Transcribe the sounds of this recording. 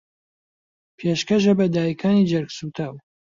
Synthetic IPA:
pʰeːʃkɐʒɐbɐd̪aːjikʰaːnid͡ʒɐɾksut̪ʰaːw

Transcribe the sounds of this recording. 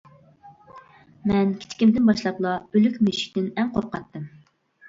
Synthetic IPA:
mɛnkʲʰi̥t͡ʃkʲimd̪ɪnbɑʃlˠɑplˠɑølykʲmyʃi̥kʲt̪ɪnɛŋqʰo̰ɾqɑt̪ːɨm

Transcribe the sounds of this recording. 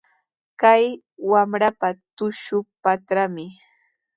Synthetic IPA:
kaj | wamɾapat̪ʊʃʊpat̪ɾamɪ

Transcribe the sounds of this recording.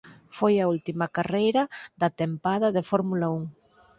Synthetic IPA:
fojɐult̪imɐkarejɾɐðɐt̪empaðɐðefoɾmulɐuŋ

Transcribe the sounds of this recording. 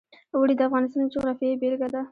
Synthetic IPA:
wəɽid̪əafɣɑnɪst̪ɑnd͡ʒʊɣɾɑfiebelɡad̪a

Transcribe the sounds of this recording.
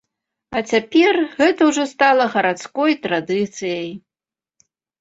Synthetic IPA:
at͡sʲapʲɛrɣɛt̪ɐwʐɔst̪alˠɐɣɐɾat̪skɔjt̪ɾad̪ɨt̪sɨjɐj

